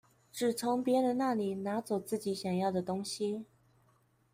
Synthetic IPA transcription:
ʈ͡ʂɻ̩˨˩t͡sʰʊ˧˥ŋpjɛ˧˥ɻə˧˥nna˥˩li˨˩na˧˥t͡swɔ˨˩t͡sɹ̩˥˩t͡ɕi˧˥˦ɕjɑ˨˩ŋjɑ˥˩ʊd̪ə˩t̪ʊ˥ŋɕi˨

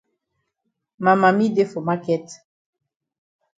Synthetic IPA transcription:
ma˨ma˨mi˦de˦fo˨ma˦kɛ˦t

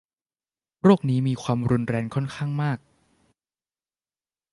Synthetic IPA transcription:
ɾoː˥˩k̚niː˦˥miː˧kʰwaː˧mɾu˧nɾɛː˧ŋkʰɔ˥˩nkʰaː˥˩ŋmaː˥˩k̚

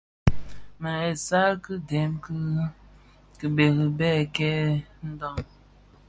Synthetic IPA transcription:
ma˨ɛ˨sa˦kɨ˦dɛ˨˦mk | kɨ˨be˨ɣi˨bɛ˦˨kɛ˦n̩˦dɔ˦˨ŋ

